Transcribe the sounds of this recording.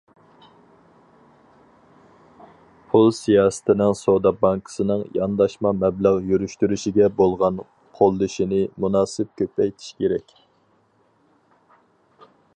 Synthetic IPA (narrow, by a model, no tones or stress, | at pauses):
pʰulˠsijɑːsɨ̥t̪ʰɪnɪŋsod̪ɑbɑŋkʰə̥sɨnɨŋjɑnd̪ɑʃmɑmɛbləʁjyɾyʃt̪yɾyʃiɡʲɛbolˠʁɑn | qʰolˠːɨʃinɪmunɑːsɪp̚kʲʰøpɛjt̪ʰi̥ʃkʲʰeɾɛkʲ